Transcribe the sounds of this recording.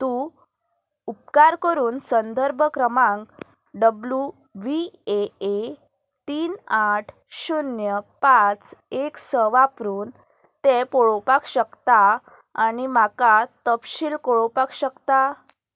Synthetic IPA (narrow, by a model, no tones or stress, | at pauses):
t̪ũ | up̚kaɾkəɾuːnsənd̪ʱəɾbʱəkɾəmãŋk | ɖəblju | ʋiee | t̪iːnaʈʰ | ɕunjəpat͡seksəʋapɾuːn | t̪epɔɭopakɕəkt̪aː | ñimakat̪əpɕiːlkoɭopakɕəkt̪a